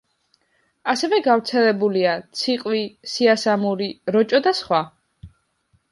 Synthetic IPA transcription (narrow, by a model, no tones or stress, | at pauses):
asɛvɛɡavɾt̪sʰɛlɛbuliat̪sʰiqʼwisiasamuɾiɾɔt͡ʃʼɔd̪asχwa